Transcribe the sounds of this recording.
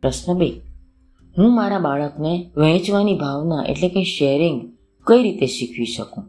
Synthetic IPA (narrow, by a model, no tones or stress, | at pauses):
ɾəsnəbəi | ɦũmaɾabaɭəkneʋɛ̃t͡ʃʋanibʱaʋnaʔḛʈlekeʃeɾiŋɡ | kəiɾit̪eʃikʰʋiʃəkũ